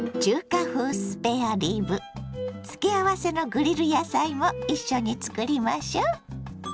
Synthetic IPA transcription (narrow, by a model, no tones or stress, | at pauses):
t͡ɕɨːkaɸɯ̟ːsɨ̥pe̞aɾʲiːbɯ̟t͡sɨ̥keaβase̞no̞ɡɯ̟ɾʲiɾɯ̟jasaimo̞iɕːo̞ɲ̟it͡sɨ̥kɯɾʲimaɕoː